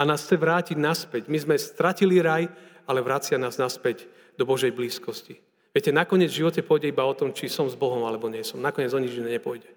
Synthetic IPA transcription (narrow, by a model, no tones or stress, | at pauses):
anaːst͡sɛʋɾaːciɟnaspɛɟmizmɛst̪ɾaciliɾaj | alɛʋɾat͡sɪanaːznaspɛɟ | d̪ɔbɔʒɛjbliːskɔsci | ʋɪɛcɛnakɔɲɪɛd͡zvʒiʋɔcɛpʊɔjɟɛibaɔt̪ɔmt͡ʃisɔmzbɔɦɔmalɛbɔɲɪɛsɔmnakɔɲɛd͡zɔɲid͡ʒinɛɲɛpɔjɟɛ